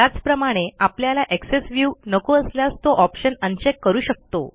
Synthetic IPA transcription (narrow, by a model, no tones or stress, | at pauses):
at͡spɾəmaɽ̃eapljalaʔeksesʋjuːnəkoəsljast̪oʔɔpɕənənt͡ɕekːəɾuːɕək̚t̪o̰